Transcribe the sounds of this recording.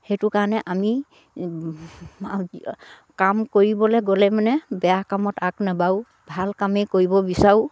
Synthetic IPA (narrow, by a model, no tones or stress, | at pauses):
hejtʊkaɹnɛʔami | kamkoɹibɔlɛɡolɛmanɛbɛjakamɔtaknabaw | bʱalkamejkoɹibɔbisaɹu